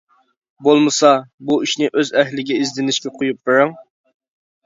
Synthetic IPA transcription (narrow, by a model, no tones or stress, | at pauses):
bolˠmɨsɑbuiʃnɪʔøzɛɦlɪɡʲɛizd̪ɪnɪʃkʲɛqʰojup̚bɪɾɪŋ